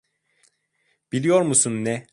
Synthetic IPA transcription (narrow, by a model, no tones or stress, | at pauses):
b̥ilʲijo̞ɾmusunːɛ